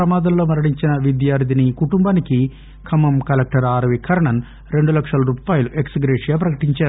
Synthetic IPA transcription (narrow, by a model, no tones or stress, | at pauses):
ɾɐmaːd̪ɐmlo̞ːmɐɾɐɽiɲt͡ʃinɐʋid̪jaːɾd̪ʱinikuʈumbaːniki | kʰɐmɐmkɐlek̚ʈɐɾaːɾɐʋikʰɐɾɐɳɐn | ɾe̞ɳɖulɐkʂɐlɐɾuːpaːjɐluʔeksɡɾeːʂijaːp̬ɾɐkɐʈiɲt͡ʃaːɾu